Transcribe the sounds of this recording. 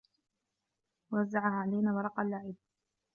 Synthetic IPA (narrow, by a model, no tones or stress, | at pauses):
waazːaʕahaːʕalajnaːwɑɾˤɑqɑlːaʕɪb̚